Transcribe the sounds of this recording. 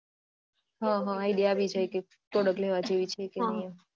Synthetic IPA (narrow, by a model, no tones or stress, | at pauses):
ɦãɦãajɖijaabid͡ʒajke | koɽəkleʋad͡ʒeʋit͡ʃʰekenəe